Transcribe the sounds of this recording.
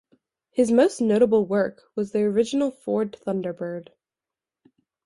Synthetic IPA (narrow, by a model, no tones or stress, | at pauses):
hɨzmoʊsnoʊɾəbl̩ˠwɜ˞kwʌzðiə˞ɪd͡ʒɨn̩l̩ˠfɔɹd̪̚θʌ̃ndə˞bɜ˞d̥